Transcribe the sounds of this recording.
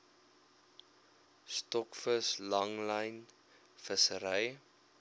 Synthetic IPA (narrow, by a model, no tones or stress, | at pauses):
stɔkfəslɐŋləjn | fəsəɾəj